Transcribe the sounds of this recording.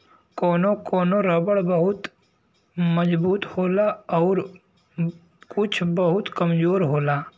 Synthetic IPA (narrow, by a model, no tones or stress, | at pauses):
koːnokoːnoɾəbəɽbɐɦʊt̪ | məd͡ʒbuːt̪hoːlaɔːɾ | kʊt͡ʃʰbəɦʊt̪kɐmd͡ʒoːɾɦoːlaː